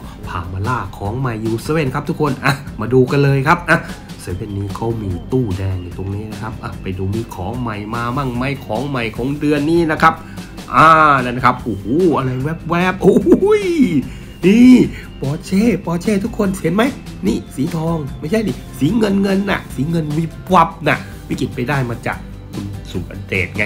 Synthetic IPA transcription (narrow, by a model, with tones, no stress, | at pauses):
pʰa̰ː˨˩maː˧laː˧˩kʰɔː˩˦ŋma˨˩jːuː˧saː˧e˧˥˩nkʰa˦˥p̚t̪ʰu˥kʰo˧nʔa˧˩maː˧duː˧ka˧nlɤː˧jkʰa˦˥p̚ʔaː˧˩ | sɯ˨˦we˧˩nːiː˦˥kʰa˦˥wmiː˧t̪uː˥˩dɛː˧ŋna˧˩jt̪o˧ŋniː˦˥˩na˦˥˩kʰa˦˥p̚ʔa˧˩pa˨jduː˧miː˧kʰɔː˨˩˦ŋma˨˩jmaː˧maː˧˩ŋma˧˩jkʰɔː˨˩˦ŋma˨˩jkʰɔː˨˦ŋdɯ˧ənːiː˥˩na˦˥kʰa˦˥p̚ | ʔaː˧˩na˧˩na˧kʰa˦˥p̚ʔoː˧˩hoː˦˥˩ʔa˧ɾa˧jwɛ˦˥p̚wɛː˦˥˩p̚ʔo˦˧˦j | niː˧˩ | pɔː˨˩t͡ɕʰeː˧˥˩pɔː˨˩t͡ɕʰeː˧˥˩t̪ʰu˦˥kʰːo˧˨nhe˨˦nma˦˥j | niː˧˩siː˨˦t̪ʰɔː˧ŋma˥˩jt͡ɕʰa˥˩jni˧˥˩siː˨˩˦ŋɤ˧nŋɤ˧nːa̰˧˩siː˨˦ŋɤ˧nwi˦˥˩p̚wa˦˥p̚na˧˩ | wi˦˥˩ki˨˩t̪̚pa˧jdaː˥˩jmaː˧t͡ɕa̰ː˨˩k̚ | kʰu˧nsu˨˩tʔa̰˧ndḛː˨˩t̪̚ŋa˧